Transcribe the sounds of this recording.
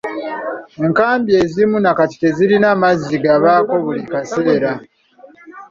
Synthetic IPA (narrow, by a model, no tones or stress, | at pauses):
eŋkaːmbje̞zimunakati̥te̞ziɾinamaziɡaβaːko̞βulikase̞ːɾa